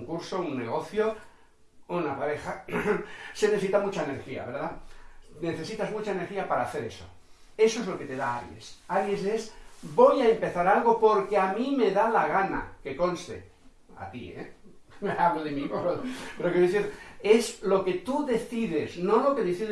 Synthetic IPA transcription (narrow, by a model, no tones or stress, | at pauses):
ŋkuɾso̞unːe̞ɣo̞θjo̞ | unapaɾe̞xa | se̞neθsit̪amut͡ʃaene̞ɾxia̰βe̞ɾðane̞θe̞sit̪azmut͡ʃaene̞ɾxiapaɾaːθe̞ɾe̞so̞ | e̞soezlo̞ke̞t̪e̞ðaaɾjḛsaɾje̞se̞sbo̞jaempe̞θaɾalɣo̞po̞ɾke̞amĩme̞ðalaɣ̞ana̰ke̞ko̞nst̪e̞̰ | a̰t̪ḭḛ | aβloðemipopeɾokeoeθiɾe̞zlo̞ke̞t̪uðe̞θiðezno̞lo̞keðeθið